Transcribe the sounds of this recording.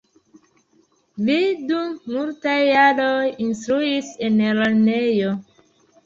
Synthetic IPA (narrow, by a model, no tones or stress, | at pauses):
midumːultajalojinstɾuiseneɾanejo